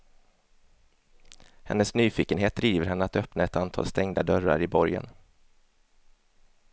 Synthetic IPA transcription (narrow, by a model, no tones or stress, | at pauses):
hɛ̰nːəsnyːfiːkənɦeːt̪̚d̪ɾiːvəɾɦɛnːəat̪œpnaɛt̪ant̪ʰɑ̰ːlst̪ɛŋd̪ad̪œɾa̰ɾɪbɔɾjə̰n